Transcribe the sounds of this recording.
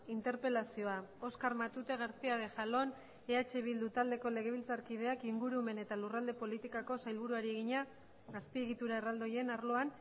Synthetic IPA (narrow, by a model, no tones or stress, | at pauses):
int̪e̞ɾpe̞lasio̞ao̞skaɾmat̪ut̪e̞ɣaɾt͡siað̞e̞ʝalo̞n | e̞at͡ʃe̞βild̪ut̪ald̪e̞ko̞le̞ɣ̞e̞β̞ilt͡saɾkið̞e̞akiŋɡuɾume̞ne̞t̪alurald̪epo̞lit̪ikako̞sajlβuɾuaɾie̞ɣiɲa | ɣaspie̞ɣ̞it̪uɾaerald̪o̞je̞naɾlo̞an